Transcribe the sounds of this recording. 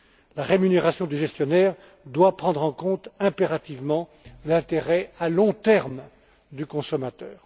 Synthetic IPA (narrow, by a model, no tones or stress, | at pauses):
laʁemyneʁasjɔ̃d̪yʒɛst̪jɔnɛʁ | d̪wapχɑ̃d̪ʁɑ̃kɔ̃t̪ɛ̃peʁat̪ivmɑ̃ | lɛ̃t̪eʁɛalɔ̃t̪ɛʁm | d̪ykɔ̃sɔmat̪œːʁ